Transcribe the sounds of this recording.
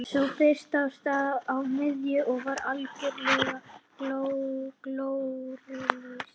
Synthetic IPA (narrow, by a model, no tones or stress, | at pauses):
sufɪst̪awst̪aawmɪðjɪʔɔɣvaɾalcɪɾlɪɣaklowklowrʏlɪs